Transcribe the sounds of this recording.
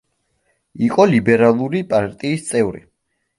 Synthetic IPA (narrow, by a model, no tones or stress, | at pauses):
iqʼɔlibɛɾalˠuɾipʼaɾt̪ʼiːst̪sʼɛvɾḭ